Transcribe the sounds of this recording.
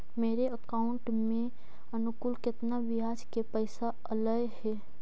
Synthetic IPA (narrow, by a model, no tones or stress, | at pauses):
meːɾeəkaːʊ̃ɳʈ | mẽ | ənʊkʊlkɪt̪nabɪɦaːd͡ʒkepəɪsa | ələjhɛː